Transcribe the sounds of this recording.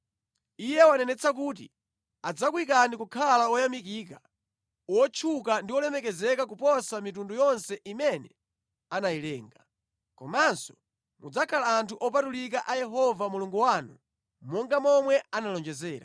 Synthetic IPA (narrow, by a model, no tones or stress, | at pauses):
ijɛwanɛnɛt͡sʰak̬uːt̬ḭ | ad͡zakwik̬anikukʰalaɔjamik̬iːk̬a | wɔt͡ʃʰukandiwɔlɛmɛkɛzɛkakupɔsamitundujɔnsɛʔimɛnɛ | anajilɛːŋɡa | kɔmansɔ̥ | mud͡zakʰalaːntʰuʔɔpatulik̬aʔajɛɦɔvamuluŋɡuwaːnṵ | mɔŋɡamɔmwɛanalɔnd͡ʒɛzɛːɾa̰